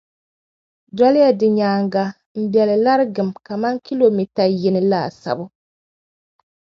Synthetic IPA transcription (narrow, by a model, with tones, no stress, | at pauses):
dɔ˦lɪ˦ja˦dɨ˨ɲaː˨ŋɡa˨ | m̩˦bjɛ˨lɨ˨la˦ɾɨ˦ɡɨ˨mka˨ma˦ŋki˦lo˨mi˨ta˨jɪ˦nɨ˦la˦˨sa̰˨bʊ˦